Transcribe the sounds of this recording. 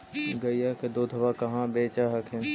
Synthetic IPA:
ɡɐijaked̪oːd̪ʱəʋakɐɦãbeːt͡ʃaɦɐkʰẽ

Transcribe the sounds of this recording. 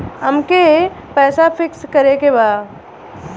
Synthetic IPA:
ɐmke | pɛːsafɪkskɐɾekebaː

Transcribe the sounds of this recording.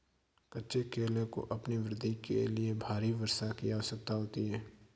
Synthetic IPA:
kɐtːʃekeːlẽko̰ʔɐpniʋɾɪd̪ʱːikḛliebʱaːɾiʋɐɾsakijaosɐk̚t̪aɦoːt̪iɦɛː

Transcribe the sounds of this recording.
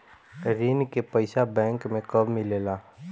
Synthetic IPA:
ɾiːnkepəɪsabɛ̃ːŋkmẽkəbmɪleːlaː

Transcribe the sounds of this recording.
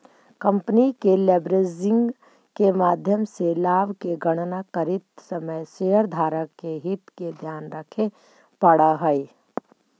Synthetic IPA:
kə̃mpnikeleːbɾezɪ̃ŋɡ | kemaːd̪ʱjəmselaːʋkeɡɐɽ̃nakəɾɪt̪sɐməjʃeːəɾd̪ʱaːɾəkːeɦɪt̪ked̪ʱjaːnɾəkʰe | pəɽaɦəi

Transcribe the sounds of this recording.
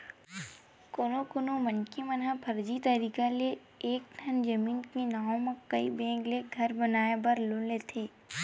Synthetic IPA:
kʊnokʊnomənkimənapʰɐɾd͡ʒit̪əɾiːkale | eːk̚ʈʰɐnd͡ʒɐmiːnkinaːõmẽkɐḭbẽːŋɡleɡʱɐɾbɐnaːebɐɾloːlet̪ʰeː

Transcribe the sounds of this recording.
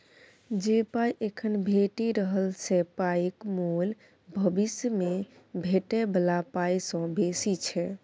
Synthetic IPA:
d͡ʒepajʔekʰənbʱeʈiɾəɦəlt͡ʃʰɛpajkmul | bʱəbisjəme | bʱeʈebəlapajsə̃besit͡ʃʰɛ

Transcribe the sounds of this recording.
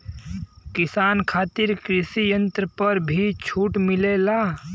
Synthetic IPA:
kɪsaːnkʰaːt̪ɪɾkɾɪsijə̃nt̪ɾəpəɾbʱit͡ʃʰuːʈmɪlela

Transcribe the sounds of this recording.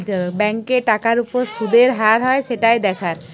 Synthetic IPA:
bɛŋkeʈakaɾupoɾsud̪eɾɦaɾɦɔeʃeʈajd̪ɛkʰaɾ

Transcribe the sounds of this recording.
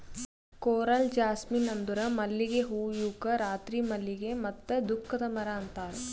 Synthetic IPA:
koːɾɐld͡ʒaːsminɐnd̪uɾɐmɐlːiɡeɦuːjukɐɾaːt̪ɾimɐlːiɡemɐt̪ːɐd̪ukʰːɐd̪ɐmɐɾaɐnt̪aːɾe

